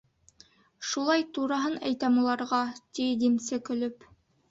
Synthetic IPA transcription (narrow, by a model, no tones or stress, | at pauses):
ʃulˠɑjt̪uɾɑɦɤnæjt̪æmulˠɑɾʁɑt̪id̪imsɘkɵ̆lɵp